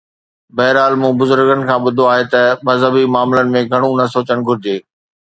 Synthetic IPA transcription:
bɐɦɪɾaːlmũːbʊzʊɾɡənɪ̆kʰãːɓʊd̪ʱoaːɦet̪ɐmɐzɦəbimaːmlənɪ̆mẽɡʱɐɽ̃ũnɐsoːt͡ɕəɽ̃ɡʱʊɾɪd͡ʑeː

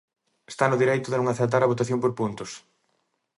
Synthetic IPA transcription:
e̥st̪anʊðiɾejt̪ʊðɪnõŋaθeɾt̪̬aɾɐβot̪aθjompoɾpunt̪ʊs

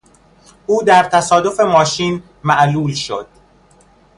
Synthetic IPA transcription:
ʔuːd̪æɾt̪ʰæsɒːd̪o̞fe̞mɒːʃiːn | mæʔluːlʃo̰d̪̥̚

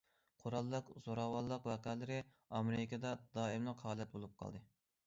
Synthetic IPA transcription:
qʰoɾɑlˠːəqz̥oɾɑwɑlˠːəqwɛqɛlɪɾɪ | ɑmeɾkʰɑd̪ɑd̪ɑːimlˠəqhɑːlɛt̪̚bolˠup̚qʰɑ̰lˠd̪ɨ

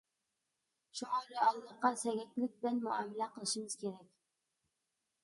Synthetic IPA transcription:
ʃʊʁɑlɪɑlˠːɑqːɑsæɡʲækʲlɪk̚ʲbɪlanmʊamːɪlæqɨlˠɪʃɪmɪz̥kʲʰeɾakʲ

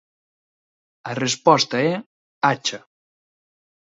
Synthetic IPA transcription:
arespɔst̪ɐɛ | at͡ʃɐ

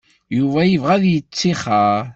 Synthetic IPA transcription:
juvæjəvʁæðjət͡sːiχaɾ

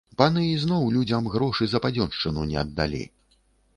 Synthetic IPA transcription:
panɨiznɔwlʲud͡zʲɐmɣɾɔʂɨzɐpad͡zʲɔnʂt͡ʂɨnunʲɛɐd̪ːa̰lʲḛj

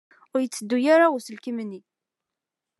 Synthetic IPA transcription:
ʊɾjət͡sːəd̪ːujaɾausəlkəmənːi

